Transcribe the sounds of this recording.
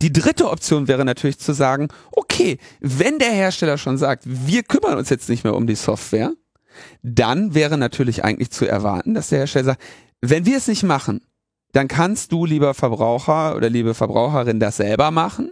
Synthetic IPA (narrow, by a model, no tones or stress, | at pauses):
d̥iːdʁɪtəʔɔp̚t͡sjoːnvɛːʁ̞ənatʰyːɐlɪçt͡suzaːɡŋ̩ʔokʰeːvɛndeːɐheːɐʃtɛlɐʃoːnzaːk̚tviːɐkʰʏmɐnʊ̰nsjɛt͡stnɪçtmeːɐʔʊ̰mdiːsɔftv̥eːɐ | d̥anvɛːʁənatʰyːɐlɪçʔa̰ɪɡŋ̩tlɪçt͡suɛ̰ɐva̰ɐtn̩d̥asd̥eːɐheːɐʃtɛlɐzaːk̚t | vɛnviːɐɛsnɪçtmaχn̩ | d̥ankʰanst̚d̥uːliːbɐfɛɐbʁaʊxɐʔo̰ːdɐliːbəfɛɐbʁa̰ʊxəʁɪndasz̥ɛlbɐmaχn̩